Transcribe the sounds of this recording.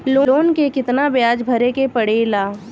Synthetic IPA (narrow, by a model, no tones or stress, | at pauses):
loːoːnkekɪt̪nabjaːd͡ʒbʱɐɾekepɐɽeːlaː